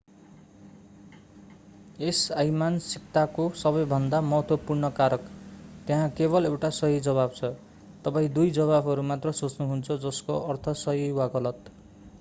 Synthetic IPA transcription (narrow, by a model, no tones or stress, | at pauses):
esajmansik̚t̪akosʌbʌjbʱʌnd̪amʌɦʌt̪wʌpurɳʌkaɾʌkt̪jeɦãkebʌlewʈasʌɦid͡zʌβabt͡sʰʌ | t̪ʌpaĩd̪ujd͡zʌβabʱʌɾumat̪rʌsot͡snuɦunt͡sʰʌd͡zʌskoʔʌrt̪ʰʌsʌɦiwaɡʌlʌt̪